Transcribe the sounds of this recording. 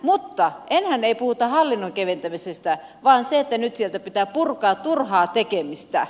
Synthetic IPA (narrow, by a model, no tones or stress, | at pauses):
mut̪ːɑʔenhæneipuhut̪ɑhɑlːinːoŋkeʋent̪æmisest̪æ | ʋɑːnseet̪ːænyt̪sielt̪æpit̪æːpurkɑːt̪turhɑːt̪ekemist̪æ̰